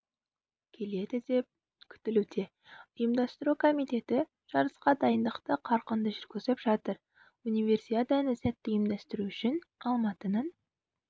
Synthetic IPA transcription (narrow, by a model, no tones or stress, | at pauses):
kʲʰe̞le̞d̪ɪd̪e̞p̚ | kʲʰʏ̥t̪ɪlʉd̪e̞ | ʊjəmd̪ɑst̪əɾukʰo̞mijt̪e̞t̪ɪ | ʒ̥ɑɾəsqɑd̪ɑjənd̪əqt̪əqʰɑɾqənd̪əʒʏɾɡʲʏzɪpʒ̥ɑt̪əɾ | unijve̞rsiad̪ɑnəsæt̪ːɪjəmd̪æst̪ɪɾuʃɪnɑlˠmɑt̪ənɑn